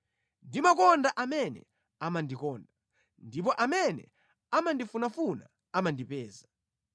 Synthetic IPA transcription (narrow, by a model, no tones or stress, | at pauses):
ndimakɔndaʔamɛnɛ̰ | amandikɔːnda | ndip̬ɔʔamɛnɛ̰ | amandifunafuna̰ | amandipɛːza